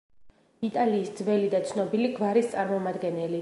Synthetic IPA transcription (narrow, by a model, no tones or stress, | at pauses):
it̪ʼaliːsd̪zvɛlid̪at̪sʰnɔbiliɡvaɾist̪sʼaɾmɔmad̪ɡɛnɛli